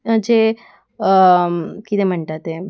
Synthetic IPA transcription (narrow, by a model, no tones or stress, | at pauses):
d͡ʒe | kit̪em̤əɳʈat̪e